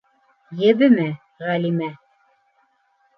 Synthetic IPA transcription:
jɘ̆βɘmæ | ʁælimæ

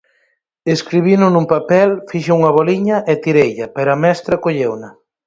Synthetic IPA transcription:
eskɾiβinʊnumpapɛlfiʃeuŋɐβɔliɲɐʔet̪iɾejʎɐpɛɾoɐmɛst̪ɾɐkoʎewnɐ

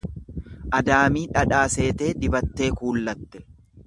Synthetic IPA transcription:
ʔɐd̪aːmiːᶑɐᶑaːse̞ːt̪e̞ːd̪ɪbɐt̪ːe̞ːkuːlːɐt̪ːɛ̥

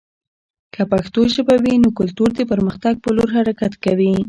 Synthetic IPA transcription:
kapaxt̪oʒəbawinokʊlt̪uɾd̪əpəɾməxt̪aɡ̚pəloɾɦaɾakat̪kawi

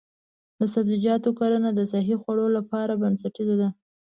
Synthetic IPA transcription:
d̪əsabzid͡ʒɑt̪okɑɾənad̪əs̬aɦixwaɽolapɑɾabansaʈid̪ad̪a

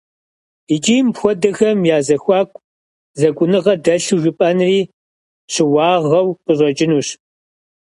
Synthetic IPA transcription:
it͡ʃʼiːjmpxʷɔdɐxɐmjaːzɐxʷɑːkʷʼ | zɐkʷʼʊnɨʁɐdɐɬuʒɨpʼɐnriː | ɕʰɪwɑːʁɐwqəɕʼɐt͡ʃʼɪnuːɕ

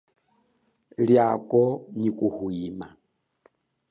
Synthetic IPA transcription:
ljakɔɲikuhwima

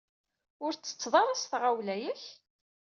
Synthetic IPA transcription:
ʊɾt͡sːə̥t͡sːðˤɑɾˤɑsθʁawlæjəç

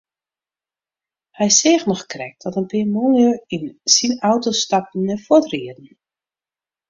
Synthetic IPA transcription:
hɛjseːxnɔxkrɛk̚dɔtənpɪːmonəinsinawtostap̚n̩əfotriədn̩

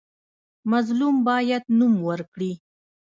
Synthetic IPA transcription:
mazlumbɑjad̪numwəɾkɽi

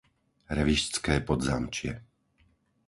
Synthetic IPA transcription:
ɾɛʋiʃt͡skɛːpɔd̪zamt͡ʃɪɛ̰

